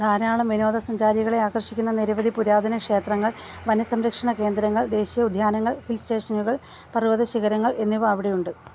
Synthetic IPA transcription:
d̪ʱaːɾaːɭɐmʋino̞ːðɐsɐɲd͡ʑaːɾiɣɐɭe̞aːkɐrʂikʲːunːɐniɾɐʋɐd̪ʱipuɾaːd̪ʱɐnɐkʂe̞ːt̪rɐŋːɐɭ | ʋɐnɐsɐmɾɐkʂɐɳɐke̞ːnd̪ɾɐŋːɐɭd̪e̞ːɕijɐud̪ʱjaːnɐŋːɐɭfilste̞ːʂɐnuɣɐɭ | pɐrʋoːðɐɕiɣɐɾɐŋːɐɭe̞nːiʋɐʋiɽejuɳɖɨ

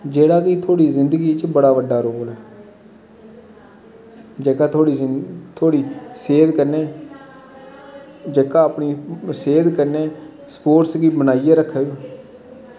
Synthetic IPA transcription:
d͡ʒeːɽaːkiːt̪ʰoːɽiːzɪnd̪əɡiːt͡ʃbəɽaːʋəɖaːɾoːlɛː | d͡ʒeːkaːt̪ʰoːɽiːt̪ʰoːɽiːseːd̪kəɾneː | d͡ʒəːkãːəpɳiːseːd̪kəɾneː | spoːɾʈsɡiːbənaːijeːɾəkʰːeɡ

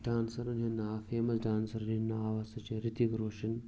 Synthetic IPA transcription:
ɖaːnsɐɾɐnɦinːafeːmɐsɖaːnsɐɾɐnɦinːɐaːʋɐsɐt͡ʃeɾit̪iɡɾoːʂin

